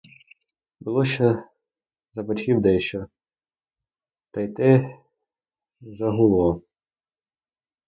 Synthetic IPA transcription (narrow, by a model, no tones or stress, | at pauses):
bʊlˠɔʃɔ | zɐbɐtʲkʲiwd̪ɛʃɔ | t̪ɐjt̪ɪ | zɐɦʊlˠɔ